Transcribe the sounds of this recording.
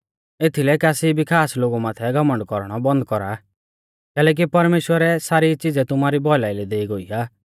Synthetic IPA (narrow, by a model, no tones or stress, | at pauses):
et̪ʰilɛkaːsibikʰaːsloːɡumaːt̪ʰɛɡɐmə̃ɳɖkɔɾɽ̃ɔbɐ̃nd̪̚kɔɾa̰ | kɛːlɛːk̬ipɐɾmeːʃwəɾɛsaːɾit͡sɪd͡zɛt̪ʊmaːɾibɔlaːɪlɛd̪eːiɡoiːaː